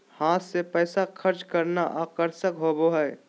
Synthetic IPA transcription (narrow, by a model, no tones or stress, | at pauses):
hãːt̪sepɛːsakʰəɾt͡ʃkəɾnaʔaːkəɾsəkɦoboɦɛe